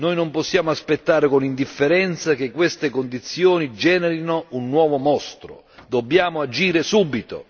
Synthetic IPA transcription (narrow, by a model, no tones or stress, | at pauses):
nojnomposːjaːmʊaspet̪ːaːɾɪkonind̪ifːeɾɛnt̪sak̟ekːwest̪ekond̪it̪sːjɔːnid͡ʒɛːnɛɾinounːwɔːvomɔst̪ɾo̰ | d̪obːjaːmʊad͡ʒiːɾɪsuːbit̪o̰